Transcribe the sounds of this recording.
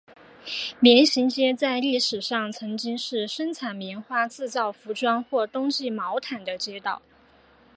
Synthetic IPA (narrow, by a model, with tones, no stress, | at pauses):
mjɛ˧˥nɕi˧˥ŋt͡ɕjɛ˥t͡sa˥˧ɪli˥˩ʂɻ̩˨˩ʂɑ˥˩ŋt͡sʰɤ˧˥ŋt͡ɕi˥ŋʂɻ̩˥˩ʂə˥nt͡sʰa˨˩nmi˧˥nxwa˥˧t͡sɹ̩˥˧t͡sɑ˥˩ʊfu˧˥ʈ͡ʂwa˥nxwɔ˥˩t̪ʊ˥ŋt͡ɕi˥˩mɑ˧˥ʊt̪ʰa˨˩nd̪ə˦t͡ɕjɛ˥t̪ɑ˥˩ʊ